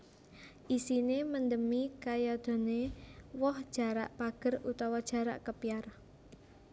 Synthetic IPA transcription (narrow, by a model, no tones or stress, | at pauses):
ʔisinemənd̪əmikajad̪̥o̤newɔhd̥ʒ̥ä̤ɾa̰ʔpaɡ̥ə̤rut̪awad̥ʒ̥ä̤ɾa̰ʔkəpiar